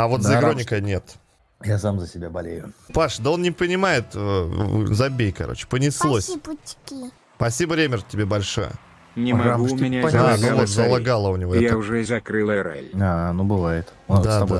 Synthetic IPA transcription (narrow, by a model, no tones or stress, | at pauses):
ɐvo̞t̪zzəɪɡɾo̞nʲɪkənʲe̞t̪ | jasamzəsʲɪbʲabɐlʲḛjʊpaʂd̪əo̞nnʲɪpənʲɪmajɪt̪əzɐbʲejkɐ̰ɾo̰t͡ɕɪ̥pənʲɪslˠosʲputʲːɪ̥kʲi | pɐsʲibəɾʲemʲɪrtʲːɪbʲe̞bɐlʲʂo̞̰jə̰ | nʲɪmɐɡumʲɪnʲaanvot̪zəlˠaɡalˠəʊnʲɪvoɛjaʊʐɛɪzɐkɾɨlˠəɾa̰lʲanubɨvajɪt̪d̪abd̪a